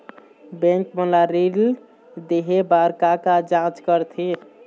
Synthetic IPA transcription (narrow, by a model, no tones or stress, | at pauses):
bẽŋkməlaɾil | d̪eɦebaɾkakad͡ʒãt͡ʃkəɾt̪ʰi